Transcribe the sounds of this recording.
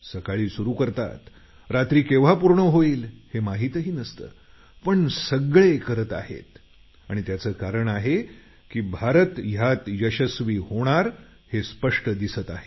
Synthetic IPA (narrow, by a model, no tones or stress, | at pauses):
səkaɭiːsuɾuːkəɾt̪a̰t̪ | ɾat̪ɾiːkeʋ̤apuɾɳəɦoiːlhemaɦiːt̪ɦiːnəst̪ə̰ː | pəɳsəɡɭekəɾət̪a̰ɦḛt̪ | a̰ɽ̃it̪jat͡səːkaɾəɳaɦe | kiːbʱaɾət̪jat̪jəɕəsʋiːhoɽ̃aɾ | hespəʂʈəd̪isət̪aɦe